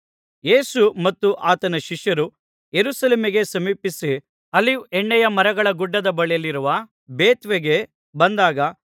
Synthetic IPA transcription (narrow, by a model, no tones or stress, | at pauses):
je̞ːsumɐt̪ːuʔaːt̪ɐnɐʃiʂjɐɾu | jeɾusɐleːmiɡe̞sɐmiːpisi | ɐliɛɳːɛjɐmɐɾɐɡɐɭɐɡuɖːɐd̪ɐbɐɭɛjɐlːiɾuʋɐ | beːt̪ʋeɡe̞ | bɐnd̪aːɡɐ